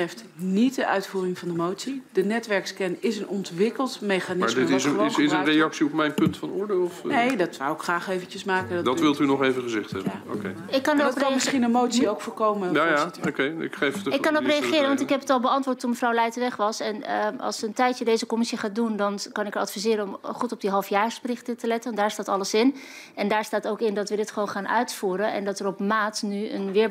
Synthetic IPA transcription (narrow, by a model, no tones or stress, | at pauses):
rɛft | nit̚dəʔœɥtfuːrɪŋvɑndəmowtsidənɛtʋɛɹkskɛnɪsənɔntʋɪkəlˠtmejχanɪmadɪsɪsərejɑksiɔpmɛjnpɵntfɑnʊːɹdɪlˠɔfnejdɔtsɔ̰wɪkχraːχejvənt͡ʃəsmaːkədɔdɔtʋɪlˠtynɔχejvəχəzɛχthɛ̰bəao̰ke | ɪkːɑnəprɑnmɪsχinəmowtsiowkfoːɹkowməjajao̰kejɪ̰kχejfɪkːɑnɔprejaχɪːɾəʋɑntɪkɦɛpətɑlˠbəɑntʋʊːɹtːunməfrɔwlɛjtəʋɛχʋɑsɛnʔɑ̰lˠsəntɛjtjədejzəkɔmɪsiχaːdundɑnkɑnɪkəɹɑtfizɪːɾənɔmχutɔb̚diɦɑlˠfjaːɹsbərɪχtətəlɛtəndaːɹstaːtɑləsɪnɛndaːɹstaːtowkɪndɑtʋədɪtχəʋonχaːnʔœ̰ɥtfuːɾənɛ̰ndɑtəɾɔpmaːtnyə̰nʋɪːɹ